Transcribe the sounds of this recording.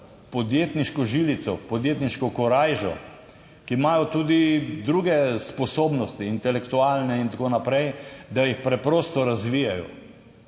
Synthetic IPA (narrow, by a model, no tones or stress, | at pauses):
pɔd̪jeːt̪niʃkɔʒilit̪sɔpɔd̪jet̪niʃkɔkɔɾajʒɔ̰ | kimajɔt̪uːd̪id̪ɾuɡɛspɔsoːbnɔst̪iːnt̪ɛlɛkt̪uaːlnɛint̪akoːnapɾɛjd̪ajixpɾɛpɾoːst̪ɔɾazʋijajɔ̰